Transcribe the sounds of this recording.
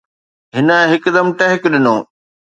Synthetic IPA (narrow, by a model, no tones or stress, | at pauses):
ɦɪnəɦɪkd̪ɐmʈɐɦɪkɗɪnoː